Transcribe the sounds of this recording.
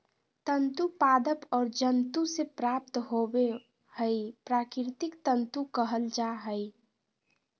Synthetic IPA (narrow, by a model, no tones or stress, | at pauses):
t̪ənt̪upad̪əpɔːɾd͡ʒənt̪usepɾap̚t̪ɦobe | həjpɾakɪɾt̪ɪkt̪ənt̪ukəɦəld͡ʒaɦəi